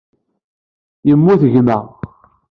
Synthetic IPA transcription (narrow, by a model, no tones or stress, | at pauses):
jəmːuθəʝmæ